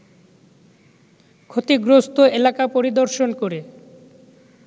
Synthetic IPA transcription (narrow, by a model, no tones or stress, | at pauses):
kʰot̪iɡɾost̪oelakapoɾid̪oɾʃonkoɾe